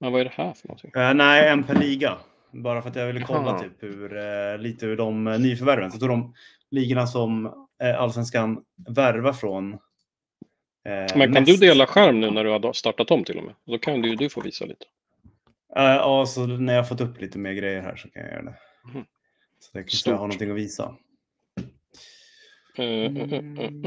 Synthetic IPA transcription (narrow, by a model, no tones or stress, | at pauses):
mɛnvaæɖɛhæɾfœənɔ̰nt̪ʰɪŋɛnæɪɛnːpʰæɾɭiːɡa | bɑːɾafœɾat̪javɪlːəkʰɔlːat̪ʰyːphʉɾliːt̪əʉɖɔmnyːfœɾvæɾvənsɔt̪uːɖɔm | liːɡanasɔmʔalsvɛnskan | væɾvafɾon | mɛnkʰand̪ɵd̪eːlaɧæɾmnʉ̟ːnæɖɵhad̪st̪ɑʈːat̪ɔmt̪ʰɪlʔɔ̰mʔḛːd̪ɔkʰand̪d̪ɵfo̰ːvḭːsa̰lḭːt̪ʰə̥ | aɑːsɔnæɾjɑhaɾfɔt̪ːɵpːliːt̪əmeːɾɡɾɛjːəɾɦæ̰ːʂɔkʰa̰nja̰jœ̰ːɾa̰d̪ɛ | sɔ̥at̪jakʰaɦanɔnt̪ʰɪŋːɔviːsa̰